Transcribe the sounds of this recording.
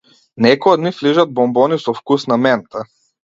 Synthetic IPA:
nɛkɔjɔd̪nifliʒad̪̚bɔmbɔnisɔfkusnamɛnt̪a

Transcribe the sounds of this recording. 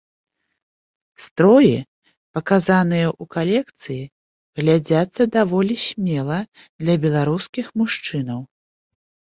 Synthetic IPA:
st̪ɾɔji | pɐkazanɨjɐʔukalʲɛkt̪sɨji | ɣlʲad͡zʲat̪sːɐd̪avɔlʲisʲmʲɛlˠɐ | d̪lʲɐbʲɛlˠaɾuskʲixmuʂt͡ʂɨnɐw

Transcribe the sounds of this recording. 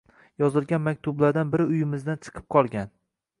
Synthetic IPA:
jɒzɪlˠɡʲanmakʲt̪ʰʊblaɾd̪anbɪɾɪʊjɪmɪzd̪ant͡ʃʰɨ̥qʰɨ̥p̚qʰɒlˠɡʲan

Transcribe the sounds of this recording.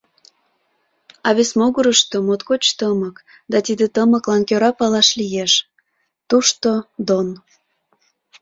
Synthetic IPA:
ɑβesmoɣuɾəʃt̪omot̪kot͡ɕt̪əmək | d̪ɑt̪id̪et̪əməklɑnkøɾɑpɑlɑʃlijeʃ | t̪uʃt̪od̪on

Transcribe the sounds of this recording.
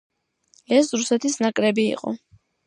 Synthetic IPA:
ɛsɾusɛt̪ʰisnakʼɾɛbḭːqʼɔ̰

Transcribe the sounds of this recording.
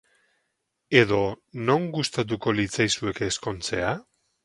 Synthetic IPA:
e̞ð̞o̞no̞ŋɡust̪at̪̬uko̞lit͡sajsue̞kesko̞nt͡se̞a

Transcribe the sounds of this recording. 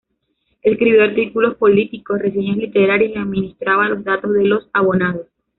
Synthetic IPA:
eskɾiβjoaɾt̪ikulo̞spo̞lit̪iko̞sre̞s̬eɲoslit̪e̞ɾaɾjesiaðminist̪ɾaβanlo̞zðat̪o̞zðelo̞saβonaðos

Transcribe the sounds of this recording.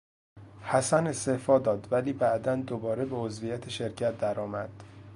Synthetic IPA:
hæsæne̞st̪ehfɒːd̪ɒːd̪væliːbæʔd̪ænd̪obɒːɾe̞beozvijæt̪ʰeʃe̞ɾcʰæt̪̚d̪æɾɒːmæd̪̥

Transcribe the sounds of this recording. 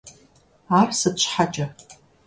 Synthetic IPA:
aːrsɨt͡ʃʷħat͡ʃʼɐ

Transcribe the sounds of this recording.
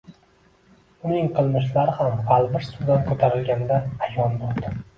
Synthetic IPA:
ʊnɪŋqʰɨlˠnɪʃ̬laɾɪhamʁalˠbɪɾsud̪ankʰot̪ʰaɾɪlɡʲand̪aːjɒnb̪ɒɾd̪ɪ

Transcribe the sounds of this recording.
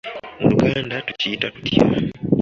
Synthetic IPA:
muluɡaːndatuciːtakutja̰

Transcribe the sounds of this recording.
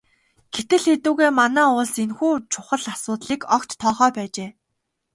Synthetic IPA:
ɡ̥et̪ɘ̆ɮxet̪uːɣeːmanæːʊɮsenxuːt͡ɕʰʊχə̆ɮasʊːt̪ɮiːkɔkt̪ʰːɔːχœːpæːt͡ɕeː

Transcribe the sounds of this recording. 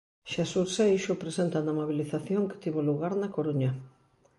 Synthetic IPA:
ʃesuɾsejʃʊpɾesent̪ɐnɐmoβ̞iliθaθjoŋkɪ̥t̪iβoluɣaɾnɐkoɾuɲɐ

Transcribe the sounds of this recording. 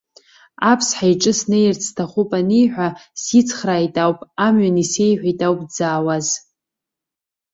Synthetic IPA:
apʰsħajʈ͡ʂʼɨsnejrt͡sʰtʰaχʷʊpʼanijħʷᶣasit͡sʰχraːjtʼawpʼamɥanise̞jħʷᶣajtʼawpʼd͡zaːwaz

